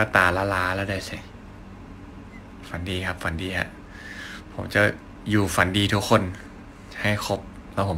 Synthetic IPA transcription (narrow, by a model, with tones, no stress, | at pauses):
ka˧˩t̪aː˨˩laː˧˩laː˦˥lɛː˦˥˩daː˧˩jsa˧˩ | fa˨˦ndiː˧kʰa˦˥p̚fa˨˦ndiː˧hʰa̰˦˥ʔ | pʰo˨˩˦mt͡ɕa˨˩ | juː˨˩fa˨˦ndiː˧t̪ʰu˦˥kʰːo˧˥˨n | ha˥˩jkʰo˦˥p̚ | lɛː˦˧˥pʰo˨˦